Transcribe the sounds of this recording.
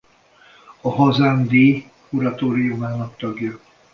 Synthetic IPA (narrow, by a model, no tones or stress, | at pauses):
ɒɦɒzaːmd̪eː | kuɾɒt̪oːɾijumaːnɒkt̪ɒɡjɒ